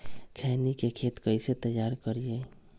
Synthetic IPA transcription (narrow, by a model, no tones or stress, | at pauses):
kʰɛːnikekʰeːt̪kəɪset̪əjːaːɾkəɾieː